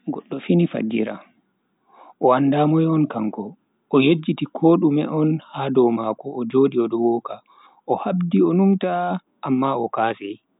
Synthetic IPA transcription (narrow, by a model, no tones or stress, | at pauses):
ɡɔɗːɔfinifa̰d͡ʒːḭɾa̰ | ʔɔwandamɔjɔnkaŋkɔ | ʔɔjed͡ʒːitikʰoɗumɛ̰ʔɔnhadɔwmakɔːd͡ʒoɗiɔɗɔwɔːka | ɔhabdiɔnumta | ʔːmːaɔkaːsɛj